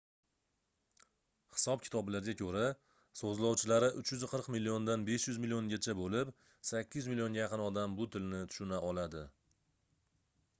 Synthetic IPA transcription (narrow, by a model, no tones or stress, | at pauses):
hɪ̥sɒp̚kʲʰɪ̥t̪ʰɒblaɾɡʲakʲʰɵɾa | sozlˠɒwt͡ʃʰɪlaɾɪʔʊt͡ʃjʏzqʰɨɾqmilːiond̪anbe̞ʃjʊzmɪlijoŋɡʲat͡ʃʰabolɪp | sakʲːɪzmɪlijo̞ŋɡʲajɑqʰɨnɒd̪ambʊt̪ʰɪlnɪt̪ʰʊ̥ʃʊnaʔɒlad̪ɪ